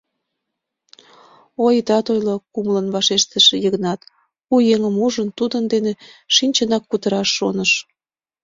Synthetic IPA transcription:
ojət̪ɑt̪ojlokumlənβɑʃeʃt̪əʃejəɣnɑt̪ | ujeŋəmuʒənt̪ud̪ənd̪eneʃinʲt͡ɕənɑkːut̪əɾɑʃːonəʃ

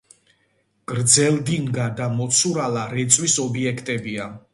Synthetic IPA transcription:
ɡ̥ʼɾd̪zɛld̪iŋɡad̪amɔt̪sʰuɾalaɾɛt̪sʼwisɔbiɛkʰt̪ʼɛbia

